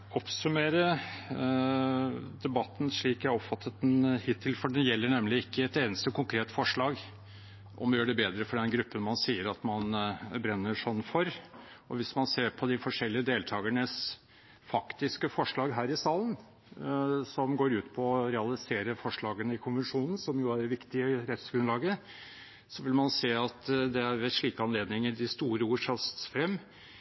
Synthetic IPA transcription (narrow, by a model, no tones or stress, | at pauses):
ɔpsʉmeːɾə | d̪ɛbɑt̪ːn̩ʂɭiːkæɔpfɑt̪ʰːət̪ɛnhɪt̪ʰːɪlfɔɖɛjɛlːəɳɛmlɪɪkʰːəɛt̪eːnəst̪əkʰʊŋkʰɾeːt̪fɔʂɭɑːɡ | ʔɔ̰mjøːɖɛbeːd̪ɾəfɔɖɛnɡɾʉpːənmɑnsiːəɾɑt̪mɑnbɾɛnːəʂɔnːfɔɾɔʋɪsmɑnseːɾpʰɔd̪ɪfɔʂɛlːɪəd̪eːlt̪ʰɑːɡəɳəs | fɑkt̪ɪskəfɔʂɭɑːɡɦæːɾɪsɑːlən | sɔmɡoːɾʉːt̪pʰɔɔɾɛɑlɪseːɾəfɔʂɭɑːɡənəɪkʰʊnʋənʂuːnn̩sɔmjʊæɖɛʋɪkt̪ɪəɾɛt̪sɡɾʉnlɑːɡə | sɔʋɪlmɑnseːɑt̪d̪ɛæɾʋɛʂɭiːkəɑnleːd̪nɪŋəɖɪst̪uːɾəuːʂɑst̪sfɾɛmː